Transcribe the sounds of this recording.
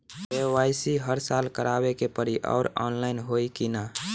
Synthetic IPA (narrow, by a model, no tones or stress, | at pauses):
eʋaːisiɦəɾsalkəɾaːbekepəɾiʔɔ̰ːʊɾɔ̰ːnlaɪnɦoːikina